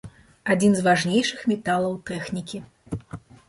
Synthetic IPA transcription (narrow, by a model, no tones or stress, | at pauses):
ad͡zʲinzvaʐnʲejʂɨxmʲɛt̪alˠɐwt̪ɛxnʲikʲi